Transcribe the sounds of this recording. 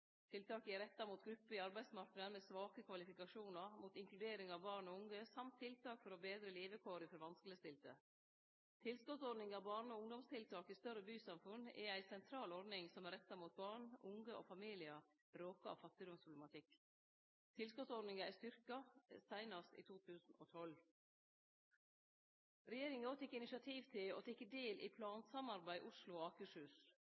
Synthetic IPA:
t̪ʰɪlt̪ʰɑːkæɾɛt̪ːɑmuːt̪ɡɾʉpːəɪɑɾbæɪd̪smɑɾknəəmɛsʋɑːkəkʰʋɑlɪfɪkɑʂuːnɑɾmuːt̪ɪŋklʉd̪eːɾɪŋɑʋbɑːɳɔʊŋɡəsɑmt̪ʰːɪlt̪ʰɑːkfɔɾɔbeːd̪ɾəliːʋəkʰoːɾɪfɔɾʋɑnskələst̪ɪlt̪ə̰ | t̪ʰɪlskɔt̪sɔɖ̪nɪŋɑʋbɑːɳnɔʊŋd̪ɔmst̪ʰɪlt̪ʰɑːkɪst̪œɾəbyːsɑmfʉnɛ̰æɪsɛnt̪ʰɾɑːlɔɾɖ̪nɪŋsɔmæɾɛt̪ːɑmuːt̪̚bɑːɳʊŋɡəʔo̰ːfɑmiːlɪə | ɾoːkəɑ̰ʋfɑt̪ːɪd̪ɔmspʰɾʊb̪lɛmɑt̪ʰɪkː | t̪ʰɪlskɔt̪sɔɾnɪŋɑɪst̪ʏɾkɑsæɪnɑst̪ḭːt̪ʰuːt̪ʰʉːsn̩oːt̪ʰɔl | ɾɛjeːɾɪŋəoːt̪ʰɪkːɪnɪʃɑt̪ʰiːʋt̪ʰɪlo̰ːt̪ʰɪkːəd̪eːlʔḭpʰlɑːnsɑmɑɾbæɪʔʊʂlʊoɑːkəʂʉːs

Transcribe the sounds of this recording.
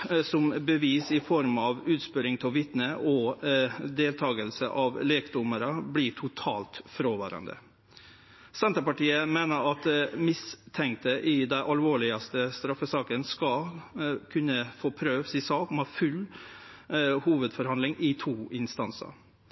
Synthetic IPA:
sɔmbəʋiːsɪfɔɾmɑʋʉːt̪spʏɾɪŋt̪ʰɛlʋɪt̪nəʔɔ | d̪eːlt̪ʰɑːɡəlsəʔɑʋleːkd̪ʊməɾəblɪʈʰʊt̪ʰɑ̰ːlt̪fɾoːʋɑ̰ːɾɑ̰nd̪ə̰ | sɛnt̪əpɑʈiːəmeːnəɾɑt̪mɪst̪ʰɛŋk̚t̪əʔɪd̪æɪʔɑlʋoːɭɪɑst̪əst̪ɾɑfːəsɑːkənskɑ | kʰʉnːəfoːpʰɾøːʋsisɑːkmɑfʉl | huːʋəd̪fɔɾhɑnlɪŋɪt̪ʰuːʔɪnst̪ɑnsɑ̰ɾ

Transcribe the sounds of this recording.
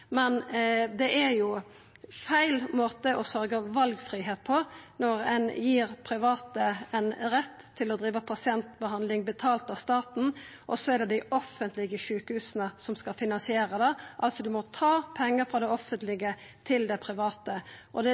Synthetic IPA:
mɛnd̪ɛʔæɾjʊ | fæɪlmoːt̪əʔɔsœɾɡəʋɑlɡfʁiːɦeːt̪̚pʰɔnɔɾɛ̰njiːɾpʰɾɪʋɑːt̪əɛnɾɛt̪ʰːɪlɔd̪ɾiːʋəpʰɑsɪɛnt̪bəɦɑnd̪lɪŋbət̪ʰɑːlt̪ɑst̪ɑːt̪n̩ʔɔsɔæɾd̪ɛd̪æɪʔɔfənt̪lɪɡəʃʉːkhʉːsənəsɔmskɑfɪnɑnsɪeːɾəd̪ɛʔɑlt̪sɔd̪ʉmɔt̪ʰɑːpʰɛŋːəɾfɾɑd̪ɛɔfːənt̪lɪɡə | t̪ʰɪld̪ɛpʰɾɪʋɑːt̪əʔɔd̪ɛ

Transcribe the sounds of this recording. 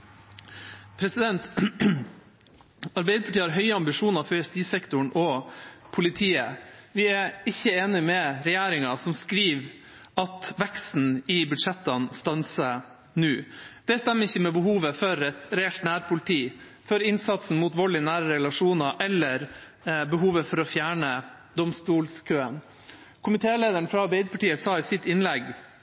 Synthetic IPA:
pʰɾɛsɪd̪ɛnt̪ | ɑɾbɛɪd̪ɾəpʰɑʈiːəhɑɾɦœʏəɑmbɪʂuːnɑɾfɔɾɛst̪iːsɛkt̪ʊɳʔɔpʰʊlɪt̪ʰiːəʋɪɛɾɪçːəeːnɪmɛɾɛjæːɾɪŋɑsɔmskɾiːʋ | ʔɑt̪ʋɛkst̪n̩ɪbʉd̪ʂɛt̪ːɑnst̪ɑnsə | nʉːd̪̥ɛst̪ɛmːəɾɪçːəmɛbəhuːʋəfɔɾɛt̪ɾɛɛlt̪næːɾpʰʊlɪt̪ʰiː | fɔɾɪnsɑt̪sn̩muːt̪ʋɔɭɪnæːɾəɾɛlɑʂuːnɑʔɛlːəɾ | bəɦuːʋəfɔɾɔfjæːɳə | d̪ɔmst̪uːlskʰøːən | kʰʊmɪt̪ʰeːleːd̪əɳfɾɑɑɾbɛɪd̪əpʰɑʈiːəsɑːɪsɪt̪ɪnlɛɡ

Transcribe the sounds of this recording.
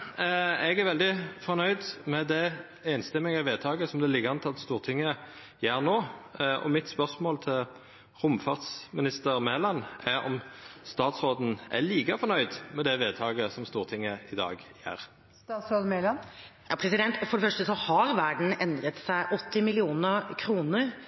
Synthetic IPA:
ɛɡæɾʋɛld̪ɪfɔʁnœʏd̪mɛd̪ɛ | ɛɪnst̪ɛmɪŋɑʋeːt̪ʰɑːɡəsɔmd̪ɛælɪɡəɾɑnt̪lɑt̪st̪uːʁt̪ʰɪŋːə | jeːɾʁnoːɔ̰mɪt̪spœʁsmoːlt̪ʰɪl | ʁʊmfɑʁt̪smɪnɪst̪əɾmeːlɑnæɾɔ̰mst̪ɑːt̪sʁoːd̪n̩ʔæ̰liːkəfɔnœʏd̪mɛd̪ɛʋeːd̪t̪ʰɑːɡəsɔmst̪uːʁt̪ʰɪŋːəɪd̪ɑ̰ːɡjḛːɾ | t̪ɑsolmelɑnjɑpʰɾɛsɪd̪ɛnt̪fɔɖɛfœʂʈəsɔhɑɾʋæɖɳ̩ɛnd̪ɾət̪sæɪʔɔt̪ːɪmɪlɪuːnəkʰɾuːnəɾ

